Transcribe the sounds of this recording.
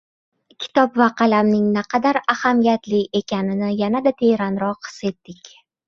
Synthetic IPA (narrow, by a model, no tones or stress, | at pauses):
kʲʰɪ̥t̪ɒpvaqʰɑlamnɪŋnaqʰɑd̪aɾahamijat̪lɪe̞kʲʰanɪnɪjanad̪at̪ʰe̞jɾanɾɒqʰːɨ̥se̞t̪ːɪkʲ